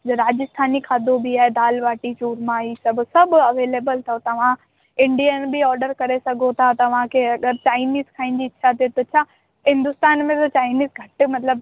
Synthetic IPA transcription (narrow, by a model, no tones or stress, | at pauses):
d͡ʑoɾaːd͡ʑɪst̪ʰaːnikʰaːd̪obʱiaːɦed̪aːlʋaːʈit͡ɕuːɾmãiːsɐbʱʊ̆sɐbʱʊɐʋeːleːbəlt̪ʰɐot̪ɐʋ̤ã | ɪ̃ɳɖijanbʱiɔːɾɖəɾkɐɾesɐɡʱot̪ʰat̪ɐʋ̤ãkʰeɐɡəɾt͡ɕaːɪniːzkʰaːĩn̆d͡ʑiɪːɕʰat̪ʰet̪ot͡ɕʰaː | ɦɪ̃nd̪ʊst̪aːnmẽt̪ɐt͡ɕaːɪniːsɡʱɐʈ̆mɐt̪ləb